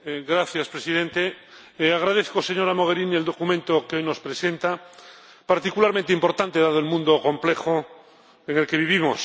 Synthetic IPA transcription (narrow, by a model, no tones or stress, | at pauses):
ɡɾaθjaspɾesiðent̪e | aɣ̞ɾað̞eθkoseɲo̞ɾamoɣeɾinield̪o̞kumẽnt̪okeojno̞spɾesent̪a | paɾt̪ikulaɾmẽnt̪eimpo̞ɾt̪ant̪eðaðoelmũnd̪okõ̞mplexo | eŋe̞lkeβ̞iβimos